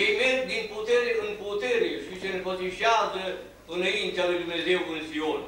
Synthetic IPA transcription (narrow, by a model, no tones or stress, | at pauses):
ejmerɡ̚d̪input̪eɾeɨnput̪eɾeʃisenpət̪iʃiazə | ɨnaint̪ealujd̪umnezewɨnsiol